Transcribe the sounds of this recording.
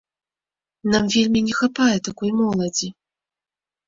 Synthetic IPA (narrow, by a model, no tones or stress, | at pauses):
namvʲelʲmʲinʲɛxapajɛt̪akɔjmɔlˠɐd͡zʲi